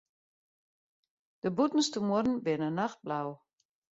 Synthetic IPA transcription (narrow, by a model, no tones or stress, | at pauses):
d̥əbutn̩stəmurn̩bɪnənaxt̚blaw